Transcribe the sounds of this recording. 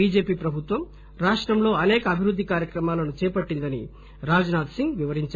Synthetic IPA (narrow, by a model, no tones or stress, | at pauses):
iːd͡ʒe̞ːpiːpɾɐbʱut̪ʋɐm | ɾaːʂʈɾɐmlo̞ːɐnɛːkɐːbʱiɾud̪ʱːikaːɾjɐkɾɐmaːlɐnut͡ʃɛːpɐʈːind̪ɐnḭ | ɾaːd͡ʒnaːd̪siŋɡʋiʋɐɾiɲt͡ʃ